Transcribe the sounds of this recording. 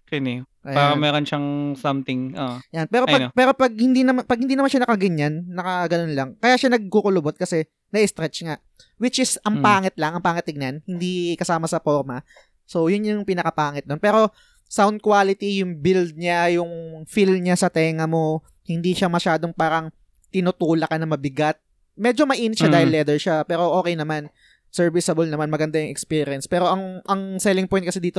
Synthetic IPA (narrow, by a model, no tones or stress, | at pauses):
kɐnɛʔɐaːɾɐmɛːɾonʃaŋsɐmt̪ɪŋo̰janpɛːɾopɐnpɛːɾo̞pɐɡ̚hɪnd̪inɐmapɐɡ̚hɪnd̪iːnɐmanʃanɐkɐɡɪɲːanːɐkɐɡɐno̞nlɐŋkɐjaːʃanɐɡ̚kukʊlʊbot̪̚kɐsɛ | nɐʔɪst̪ɾɛt͡ʃŋaʔ | wɪt͡ʃɪsɐŋpaːŋɪt̪̚lɐŋɐŋpaːŋɪt̪ːɪɡ̚nanhɪnd̪ikɐsaːmɐsɐpo̞ɾmɐ | so̞jʊnjʊjʊŋpɪnɐkɐpaːŋɪt̪̚d̪o̞npɛːɾo̞ | sawnd̪̚kwaːlɪt̪ijʊŋbild̪̚ɲajʊŋfilmɲasɐt̪ɛːŋɐmo̞ | hɪnd̪iʃɐmɐʃaːd̪o̞ŋpaːɾɐŋ | t̪ɪnʊt̪uːlɐkɐnɐmɐbɪɡat̪̚ | mɛd͡ʒomɐʔiːnɪt̪ʃɐd̪aːhɪlːɛd̪ɛɹʃapɛːɾo̞ʔo̞ːkɛjnɐman | sɛɹvɪsɐbolnɐmanmɐɡɐnd̪ajʊŋɛkspiɾjɐnspɛːɾo̞ʔɐŋʔɐŋsɛːlɪŋpojnt̪̚kɐsɛd̪iːt̪o